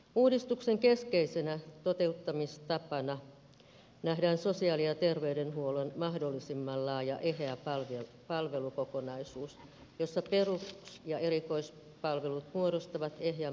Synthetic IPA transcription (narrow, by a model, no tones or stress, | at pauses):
uːdist̪ukseŋkeskeisenæt̪ot̪e̞ut̪ːɑmist̪ɑpɑnɑ | næhdæːnso̞siɑːlijɑt̪erʋeydenɦuolenmɑhdolːisimːɑlːɑːjɑ̰ʔeɦeæpɑlʋe | pɑlʋe̞lukokonɑisuːs | josːɑperuksjɑʔeriko̞is | pɑlʋelut̪muoɾost̪ɑʋɑt̪eɦjæ